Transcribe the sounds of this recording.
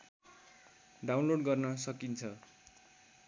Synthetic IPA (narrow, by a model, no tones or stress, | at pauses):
ɖawnloɖɡʌrnʌsʌkint͡sʰʌ